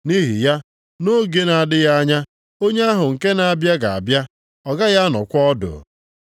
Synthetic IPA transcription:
ni˦ɦi˨ja˦ | no˦ɡe˦na˨a˨dɪ˦ja˦ɲa˦ | o˦ɲe˦a˦ɦʊ˨ŋ̩˨ke˦na˨a˨bja˦ɡa˨a̰˨bja˦ | ɔ˨ɡa˦ja˦nɔ̰˨kʷɔ˦dʊ̰˨

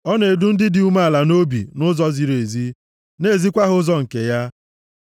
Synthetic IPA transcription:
ɔ˦ne˨du˦n̩˦dɪ˦dɪ˨u˦ma˦a˨la˨no˦bḭ˨nʊ˦zɔ˦zi˨ɾe˨zi˦ | ne˦˨zi˦kʷa˦ɦʊ˦zɔ˨ŋ̩˨ke˨ja˦

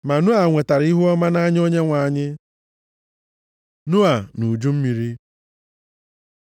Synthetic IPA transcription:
ma˨nu˦a˨ŋʷe˨ta˨ɾi˦ɦu˦ɔ˦ma˦na˦ɲ˦o˦ɲe˦ŋʷa˨ɲɪ˦ | nʊ˦a˨nu˨d͡ʒu˦m̩˦mi˨ɾi˦

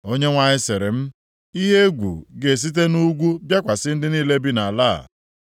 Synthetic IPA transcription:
o˦ɲe˦ŋʷa˨ɲɪ˦se˨ɾɪ˨m̩˦ | i˦ɦe˦ɡʷṵ˨ɡe˨s̬i˦t̬e˦nu˦ɡʷu˦bja˦kʷa˨sɪ˦n̩˦dɪ˦niː˦le˦bi˦na˨a˨la̰ː˦˨

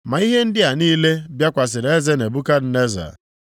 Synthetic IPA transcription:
ma˨i˦ɦe˦n̩˦dɪ˦a˨niː˦le˦bja˦kʷa˨s̬ɪ˨ɾe˦ze˦ne˨bu˦ka˦d̩˨ne˦za̰˨

